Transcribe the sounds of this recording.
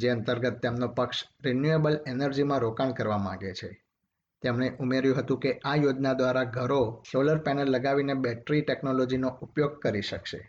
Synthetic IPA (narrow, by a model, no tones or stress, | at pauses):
d͡ʒeə̃nt̪əɾɡət̪ːemnopəkʃɾenjuebəlenəɾd͡ʒimãɾokaɳkəɾʋamã̰ɡet͡ʃʰe | t̪emɳ̃eʔumeɾjũɦət̪ũkeʔajod͡ʒnad̪ʋaɾaɡʱəɾosoləɾpɛnəlːəɡaʋinebɛʈɾiʈeknolod͡ʒinoʔupjoɡ̚kəɾiʃəkʃḛ